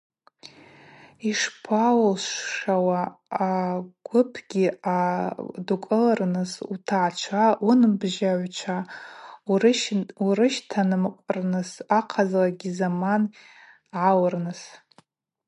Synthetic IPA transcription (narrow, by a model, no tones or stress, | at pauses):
iʂpʰawlʃʷʂawaaɡ̥ʷʊpʰɡʲiadukʷʼɨlarnɨsutʰaʕt͡ʃʷʰaunbʒaʕʷt͡ʃʷʰa | uɾɨʃtʰanɨmqʷʼrnɨsaqʰazlaɡʲizaman | ʕawrnɨs